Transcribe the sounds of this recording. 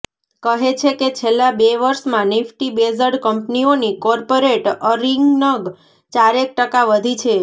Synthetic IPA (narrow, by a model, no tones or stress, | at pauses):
kəɦet͡ʃʰeket͡ʃʰelːabeʋəɾʃmãnɪfʰʈibezəɖkəmpnionikɔɾpoɾeʈəɾiŋɡnəɡ | t͡ʃaɾek̚ʈəkaʋəd̪ʱit͡ʃʰe